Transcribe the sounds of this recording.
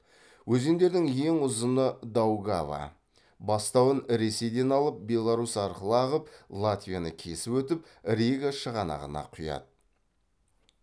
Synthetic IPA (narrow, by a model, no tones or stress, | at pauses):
wɵze̞nd̪e̞ɾd̪ɪŋje̞ŋʊzənəd̪awɡava̰ | bɑst̪ɑwənɾe̞se̞jd̪e̞nɑlˠəp̚bʲe̞lˠaɾusɑɾqəlˠɑʁəp̚lˠat̪vʲijanəkʲʰe̞sɪpwɵt̪ɪp̚ | ɾʲeɡaʃəʁɑnɑ̰ʁənɑ̰qʰʊjɑ̰d̪ə